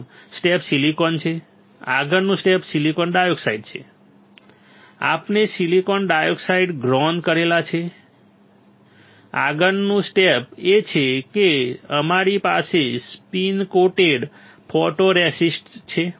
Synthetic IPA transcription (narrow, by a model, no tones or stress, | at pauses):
sʈepsilikɔnt͡ʃʰe | a̰ɡənnũsʈepsilikɔnɖajoɡsaiɖt͡ʃʰḛ | a̰pnesilikɔnɖajoɡsaiɖɡɾɔnd̪kəɾelat͡ʃʰe | a̰ɡənnũsʈepet͡ʃʰekeəmaɾipasespinkoʈeɖ | pʰɔʈoɾɛsisʈt͡ʃʰe